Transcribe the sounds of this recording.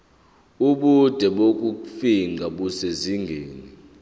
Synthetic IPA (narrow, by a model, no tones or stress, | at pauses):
uɓud̥ʱɛɓok̬ʼufiŋʱaɓuseziŋɡʱeːni